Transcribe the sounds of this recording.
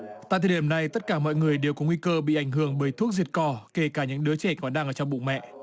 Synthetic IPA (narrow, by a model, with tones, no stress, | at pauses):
t̪a̰ː˧˨t̪ʰːi˧˩əna˨˩jt̪ə˦˥t̚kaː˧˩mɔ̰˧˨jŋɨ˨˩əjɗe˨˩wkɔ˨˦ŋwi˧kəː˧ɓḭ˧˨ʔa˧˩jŋɦɨ˧˩əŋɓəː˨˦jt̪ʰu˦˥ək̚zi˨˩t̚kɔ˧˩ke˧˩kaː˧˩ɲɨ̰˧˥ŋɗɨ˨˦t͡ɕɛ˧˩kɔ˨˦naː˧ʔəː˧˩t͡ɕɔ˧ŋ͡mɓṵ˧˨ŋ͡mmɛ̰˧˨ʔ